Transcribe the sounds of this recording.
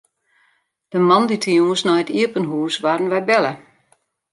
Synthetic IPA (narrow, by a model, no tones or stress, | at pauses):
d̥əmanditʰəjuŋəsnɔjətiəpənɦuːsʋarən̩ʋɛjbɛlə